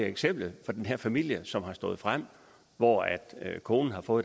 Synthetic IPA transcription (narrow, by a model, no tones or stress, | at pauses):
eɡ̥sem̰b̥əlfɒ̽d̥enɦeɐ̰fæmil̰jəsɒ̽mɦɑ̈sd̥ɔ̽ːð̞̩ˠfʁam̰ | ʋɒæd̥kʰo̝ːnn̩ɦɑ̈fɔ̽ːð̩ˠ